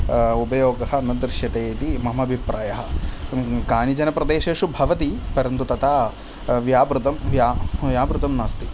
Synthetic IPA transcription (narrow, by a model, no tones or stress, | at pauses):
upɐjoːɡɐɦɐ̆nɐd̪ɾʃjɐt̪eːt̪imɐɦmɐɐbʱipɾaːjɐɦɐ̆ | kaːnid͡ʒɐnɐpɾɐd̪eːʃeːʂubʱɐʋɐt̪ipɐɾɐnt̪ut̪ɐt̪ʰaː | ʋjaːbɾut̪ɐmʋjaːʋjaːbɾut̪ɐmnaːst̪i